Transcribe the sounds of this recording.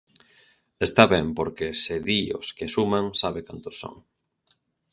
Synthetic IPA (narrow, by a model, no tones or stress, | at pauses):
est̪aβɛmpoɾkeseðio̰skesumãŋsaβekant̪ʊsːo̰ŋ